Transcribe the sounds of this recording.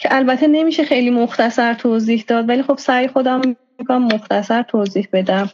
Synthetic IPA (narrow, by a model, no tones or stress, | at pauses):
cʰeʔælbæt̪ʰe̞ne̞miːʃexejliːmoxt̪ʰæsæɾt̪ʰoːziːhd̪ɒːd̪vælixo̞b̥sæjxod̪æmː | ikɑmːoxt̪ʰæsæɾt̪ʰoːziːhbe̞d̪æm